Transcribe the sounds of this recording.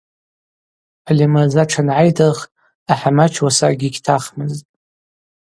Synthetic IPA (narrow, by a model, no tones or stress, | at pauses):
ħalimazaʈ͡ʂʰanʕajdʰaχ | aħamat͡ʃʰwasaɡʲiɡʲtʰaχmɨztʼ